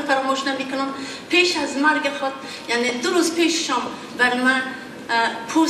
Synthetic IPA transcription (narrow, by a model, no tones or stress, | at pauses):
faɾɔmoːʃnamikʰʊnum | pʰeːʃazmaɾɡexɔt̪̚ | jaʕned̪ʊɾuzpʰeːʃʃɔ̃m | baɾmã | pʰuː